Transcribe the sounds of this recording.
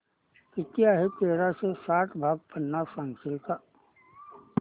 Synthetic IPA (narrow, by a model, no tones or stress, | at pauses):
kɪt̪ijaɦɛt̪eːɾasesaːʈʰbʱaːɡ̚pənːasãːŋɡsɪlka